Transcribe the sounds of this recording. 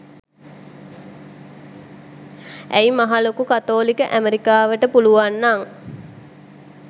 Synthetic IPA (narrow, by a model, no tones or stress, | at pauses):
ʔæimaɦalokukat̪oːlikəʔæmeɾikaːʋəʈəpuluʋanːaŋ